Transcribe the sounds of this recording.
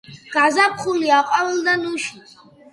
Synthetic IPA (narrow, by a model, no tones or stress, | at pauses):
ɡ̥azapʰχuliaqʼawɨldanuʃi